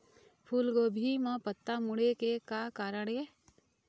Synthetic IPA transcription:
pʰuːlɡoːbʱimãpət̪ːamʊɽekekakaːɾəɳ̃ɦe

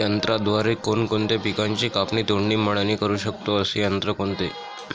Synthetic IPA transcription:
jənt̪ɾad̪ʋaɾekonkoɳt̪epikaɲt͡ɕikapniːt̪oɳːiːməɽ̃əniːkəɾuːɕək̚t̪oəsejənt̪ɾəkoɳt̪e

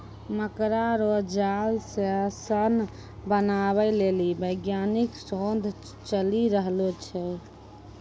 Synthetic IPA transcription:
məkɾaɾod͡ʒalseasən | bənaβɛlelibəjɡjaniksond̪ʱ | t͡ʃəliɾəɦlot͡ʃʰɛ

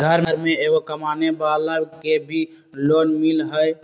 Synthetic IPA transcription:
ɡʱəɾəɾmeeɡokəmaːnebalakebʱi | lonmilɦəj

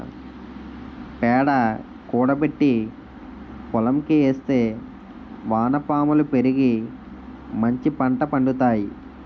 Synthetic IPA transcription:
pɛːɽɐ | kuːɽɐpe̞ʈːi | kɔlɐmkieːst̪e̞ː | ʋaːnɐpaːmɐlupe̞ɾiɡi | mɐɲt͡ʃipɐɳʈɐpɐɳɖut̪aːji

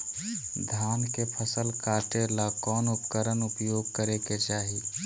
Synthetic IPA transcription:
d̪ʱaːnkepʰəsəlkaːʈ̪elakɔːnʊpkəɾənʊpjoːɡ̚kəɾeket͡ʃaːɦi

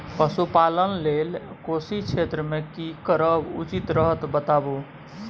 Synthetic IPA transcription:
pəsupalənlelkosit͡ʃʰet̪ɾəmekikəɾəbṵt͡ʃit̪ɾəɦət̪bət̪abu

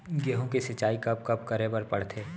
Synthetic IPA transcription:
ɡeːɦõkesɪt͡ʃːaːikɐb̚kɐbkɐɾebɐɾpɐɽt̪ʰeː

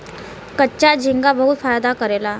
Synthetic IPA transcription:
kət͡ɕad͡ʑiŋɡabəɦuːt̪fajd̪akəɾela

